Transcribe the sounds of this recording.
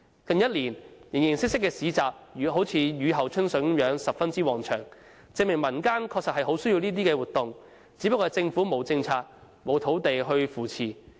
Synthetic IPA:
kɐ˨˧ŋjɐ˥t̚liː˨˩njɪ˨˩ŋjɪ˨˩ŋsɪ˥k̚sɪ˥kːɛː˧siː˨˧t͡saː˨˩p̚ːɦo˨˥wt͡sʰiː˨˧jyː˨˧ɦɐ˨wt͡ʃʰɵ˥nsɵ˨˥jœː˨˥ŋsɐ˨p̚fɐ˥nt͡siː˥wɔː˨˩ŋt͡ʃʰœː˨˩ŋ | t͡sɪ˧ŋmɪ˨˩ŋmɐ˨˩nkaː˥nkʰɔː˧k̚sɐ˨t̚hɐ˨jɦo˨˥wsɵ˥ɥji˧wniː˥t̪iː˥kɛː˧wuː˨˩t̪̚ʊ˨ŋ | t͡siː˨˥pɐ˥kːɔː˧t͡sɪ˧ŋfuː˨˥mo˨˧wt͡sɪ˧ŋt͡sʰaː˧t̚ | mo˨˧wt̪ʰo˨˥wt̪e˨jɦɵ˧ɥfuː˨˩t͡sʰiː˨˩

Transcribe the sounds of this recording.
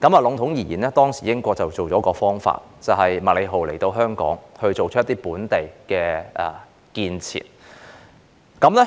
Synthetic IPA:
kɐ˨˥maː˨lʊ˨˧ŋt̪ʰʊ˨˥ŋjiː˨˩jiː˨˩nɛː˥t̪ɔː˥ŋsiː˨˩jɪ˥ŋkʷɔː˧k̚t͡sɐ˨wt͡so˨wt͡sɔː˨˥kɔː˧fɔː˥ŋfa̰ː˧t̚t͡sɐ˨wɦɐ˨jmɐ˨t̚le˨˧jɦo˨wle˨˩jt̪o˧wɦœː˥ŋkɔ̰ː˨˥ŋhɵ˧ɥt͡so˨wt͡ʃʰt̪iː˥puː˨˥nt̪e˨jkɛː˧ʔɛ˨˩ | kiː˧nt͡sʰḭː˨˩n | kɐ˨˥mlɛ˥

